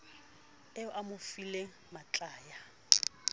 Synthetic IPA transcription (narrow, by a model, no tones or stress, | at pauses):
ɛʊʔamʊfile | mat͡ɬʼaːja